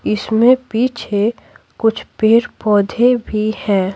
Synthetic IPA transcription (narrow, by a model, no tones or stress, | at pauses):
ɪsmẽpiːt͡ʃʰe | kʊt͡ʃʰpeːɾpɔːd̪ʱebʱihɛ̃ː